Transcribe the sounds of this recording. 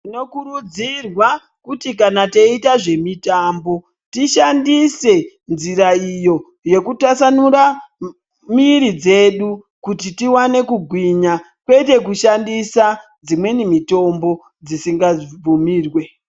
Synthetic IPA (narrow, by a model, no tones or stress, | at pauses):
tino̞kurud͡zirwa | kutikanateitaʐe̞mitaːmbo̞ | tiʃandise̞ | nziɾaijo̞ | je̞kutasanuɾa | miɾid͡ze̞ɗu | kutitiwane̞kuɡʱwiɲa | kwe̞te̞kuʃandisa | d͡zimwe̞nimito̞mbo̞ | d͡zisiŋɡab͡vumiːrwe̞